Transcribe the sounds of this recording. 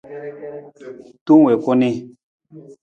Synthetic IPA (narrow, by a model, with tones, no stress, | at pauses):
tu˦ŋ˨wɛ˨kɔ˦ni˦